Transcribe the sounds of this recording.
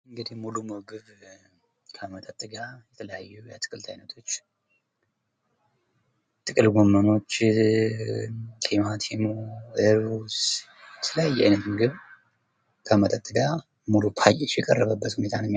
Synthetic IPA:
ɨŋɡɨd̪ihmulumɨɡɨβ | kʰəmət̪ʼət̪ʼːɨɡajɛt̪ʰələjajːujat̪ʰɨ̥kʼɨlt̪ʰajnət̪ʰo̞t͡ʃː | t̪ʼɨkʼɨlɡomːəno̞t͡ʃː | k̪ʰlimat̪ʰimoeɾβus | jɛt̪ʰələjajːɛajnət̪mɨɡɨβ | kʰəmət̪ʼət̪ʼːɨɡa | mulupʰajʼɛt͡ʃjɛkʼərːəβəbːət̪hunet̪ʰanmː

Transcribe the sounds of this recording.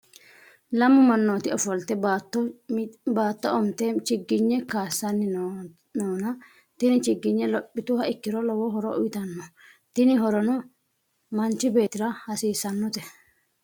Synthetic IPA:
lɐmːʊmɐnːo̞ːt̪ɪɔfɔlt̪ɛbt̪ː | baːt̪ːɔɔmt̪ɛt͡ʃɪɡɪɲːɛkaːsːɐnːɪ | noːnɐ | t̪ɪnɪt͡ʃɪɡːɪɲːɛlɔpʼːɪt̪ʊhɐɪkːɪɾɔlɔwɔɦɔɾɔʔʊjɪt̪ɐnːɔ | t̪ɪnɪɦɔɾɔnɔ | mɐnt͡ʃːɪbe̞ːt̪ɪɾɐhɐsiːsːɐnːɔt̪ɛ̥

